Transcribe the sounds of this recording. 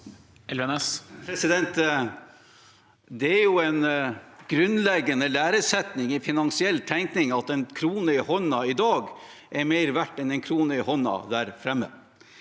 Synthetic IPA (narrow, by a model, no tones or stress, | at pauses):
ɛlɛnɛspʰɾɛsɪd̪ɛnt̪ | d̪ɛæɾjʊɛnɡ̥ɾʉnlɛɡːənəlæːɾəsɛt̪nɪŋɪfɪnɑnsɪɛlːt̪ʰæŋknɪŋɑt̪ɛnkʰɾuːnəɪhɔnːɑɪd̪ɑːɡ | ʔɛɾmeɪɾʋæʈːɛnɛnkʰɾuːnəɪhɔnːɑ̰d̪æːɾfɾɛmːə̰